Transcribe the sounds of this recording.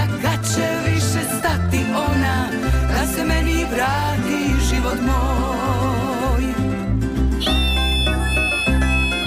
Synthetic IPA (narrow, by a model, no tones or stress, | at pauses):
kat͡ɕɛʋiʃest̪at̪iʔo̞na | d̪asɛmɛniʋɾaː | t̪iʒiʋot̪mo | j